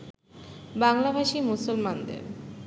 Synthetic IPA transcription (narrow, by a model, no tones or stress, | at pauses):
baŋlabʱaʃimusulmand̪ḛɾ